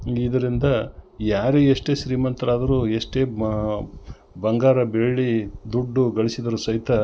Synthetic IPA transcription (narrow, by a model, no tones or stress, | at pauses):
id̪ɐɾind̪ɐjaːɾeeʂʈe̞ːʃɾiːmɐnt̪ɾaːd̪ɐɾuːeʂʈe̞ː | bɐŋɡaːɾɐbeɭɭid̪uɖːuɡɐɭisid̪ɐɾuːsɐɦit̪ɐ